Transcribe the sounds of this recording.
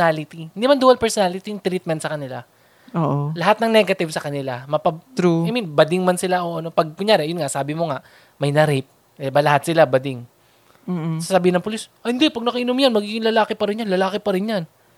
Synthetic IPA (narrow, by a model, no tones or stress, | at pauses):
alɪt̪ihɪnd̪iːmɐnd̪uːɐlpɛɹsonalɪt̪ijʊŋt̪ɾit̪̚mɛnt̪sɐkɐnɪla | oːʔolɐɦat̪̚nɐŋnɛɡɐt̪ɪvsɐkɐnɪlamɐpɐt̪ɾuajminbɐd̪ɪŋmaɐnsɪlaʔoʔɐno̞pɐɡ̚kʊŋjaːɾɛʔjʊnŋasaːbɪmo̞ŋaʔ | mɐjnɐɾɪp̚ | ʔɛbɐlɐɦat̪sɪlabɐd̪ɪŋː | sɐsɐbiːhɪnɐŋpʊlisʔhɪnd̪ɛpɐɡ̚nɐkɐʔɪnʊmjanmɐɡiɡɪŋlɐlaːkɪpɐɾɪnjanlɐlaːkɪpɐɾɪnjan